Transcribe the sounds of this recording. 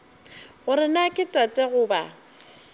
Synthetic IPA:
ɣʊɾɪnakʼɪtʼatʼɛɣʊːba

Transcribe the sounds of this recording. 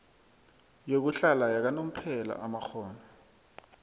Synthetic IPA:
jok̬uɬalajak̬anom̩pʰɛla̰ʔamaxɔːnɔ

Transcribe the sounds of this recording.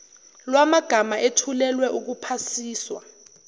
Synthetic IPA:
lwamaɡ̥ʱamaʔetʰulɛlwɛʔuk̬upʰasiːswa̰

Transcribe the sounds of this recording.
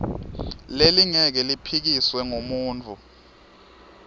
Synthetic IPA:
leliŋɛk̬ɛlipʰik̬iswɛŋomuːnt͡fʰʼu

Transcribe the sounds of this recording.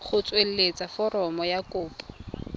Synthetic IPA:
χʊt͡sʼwel̩let͡sʼafɔrɔmɔjakʊːpʼɔ̥

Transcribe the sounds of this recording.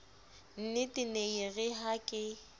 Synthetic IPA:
n̩nɪtʼɪneiɣɪɦakʼɪ

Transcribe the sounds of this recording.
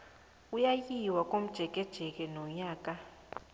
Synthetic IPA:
ujajiwakʼom̩d̥ʒ̥ʱɛk̬ʼɛd̥ʒ̥ʱɛk̬ʼɛnɔɲaːkʼa

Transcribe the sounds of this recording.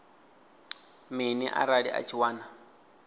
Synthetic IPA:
miniʔa̰ɾaɺiʔa̰t͡ʃʰiwaːna

